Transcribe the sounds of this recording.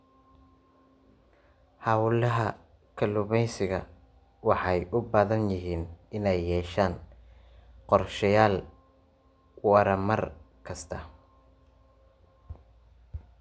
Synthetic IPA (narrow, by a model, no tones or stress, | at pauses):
hɑwlɐɦɐ | kʰɐlʊβɛjsɪɣɐ | wɑħɑjʔʊbaːðɐnjɪɦiːnɪnɛjːɛːʃaːn | qɔrʃɐjaːl | wɐɾɐmɐr | kʰɐst̪ʰɐ